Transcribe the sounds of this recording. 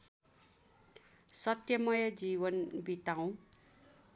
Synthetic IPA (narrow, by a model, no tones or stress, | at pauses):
sʌt̪jʌmʌjʌd͡zibʌnbit̪aw̃